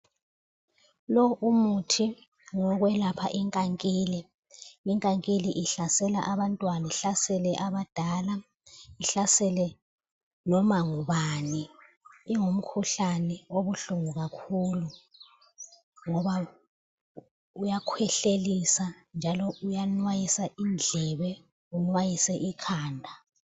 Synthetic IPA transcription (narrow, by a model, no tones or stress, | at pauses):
lɔʔumutʰi | ŋɔɣwɛlapʰaʔiŋkʼaŋkʼiːlɛ | iŋkʼaŋkʼiliʔiɬasɛla̰ʔaβantʼwaniɬasɛlɛʔaβad̥ʱala | iɬasɛlɛ | nɔmaŋuβaniː | ŋom̩kʰuɬanɛoβuɬuŋuɣakʰuːlu | ŋɔβa | ujakʰwɛɬelisand͡ʒʱalɔujanwajisaʔind͡ɮʱɛβɛ | unwajisɛʔikʰaːndʱa